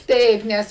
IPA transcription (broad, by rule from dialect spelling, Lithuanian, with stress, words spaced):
ˈtɐɪp ˈnʲɛs